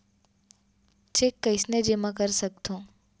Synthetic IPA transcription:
t͡ʃekːəɪsned͡ʒemãk̬əɾsək̚t̪ʰũː

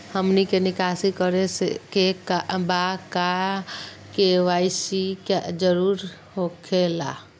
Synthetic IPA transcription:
həmnikenɪkaːsikəɾesḛkekabaka | keʋaːɪsikad͡ʒəɾuːɾ | hokʰela̰

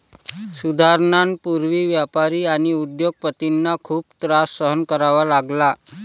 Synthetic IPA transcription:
sud̪ʱaɾɳanpuɾʋiːʋjapaɾiːaɽ̃iud̪joɡ̚pət̪inːakʰuːp̚t̪ɾasːəɦənkəɾaʋalaɡla

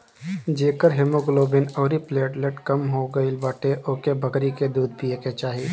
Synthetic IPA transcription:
d͡ʒeːkəɾɦɪmoɡloːbɪnɔːɾipleːʈleʈkɐmɦoɡɐilbaːʈeʔoːkebʱɐkɾiked̪uːd̪̚pieket͡ʃaːɦiː

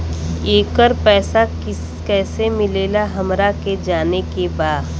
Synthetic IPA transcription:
eːkəɾpɛːsakɪ | kɛːsemɪleːlaɦɐmɾaked͡ʒaːnekebaːd̪

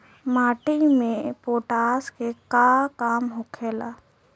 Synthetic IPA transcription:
maːʈimẽpoːʈaːskekakaːmɦʊkʰeːlaː

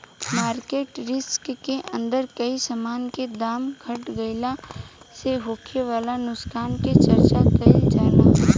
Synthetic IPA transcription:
maːɾkeːʈɾɪskːeʔə̃nd̪əɾkɐisəmaːnked̪aːmɡʰʱɐʈɡɐɪlaseɦoːkʰeʋaːlanʊskʰaːnket͡ʃɐɾt͡ʃakɐid͡ʒaːla̰ɦ

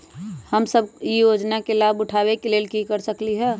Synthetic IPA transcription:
həmsəbjijoːd͡ʒnakelaːbʊʈʰawekeleːlkikəɾsəkliɦɛː

